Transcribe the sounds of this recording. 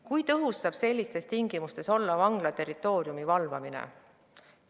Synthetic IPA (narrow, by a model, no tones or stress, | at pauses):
kujt̪ɤɦusːɑːb̥se̞lʲːist̪e̞st̪iŋɡ̥imust̪e̞so̞lːɑvɑŋɡ̥lɑt̪e̞ɾit̪ːˑo̞ːɾiumivɑlvɑminḛ